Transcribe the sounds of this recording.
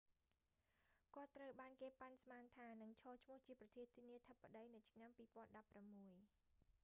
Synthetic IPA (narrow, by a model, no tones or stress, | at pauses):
kŏət̪ːrəwɓaːnkeːpansmaːnt̪ʰaːnɨŋt͡ɕʰɔːt͡ɕʰmʊ̆əht͡ɕiəprɑt̪ʰiət̪ʰiəniət̪ʰəpːaɗəjnɨwt͡ɕʰnampiːpŏənɗɑpːramːuəj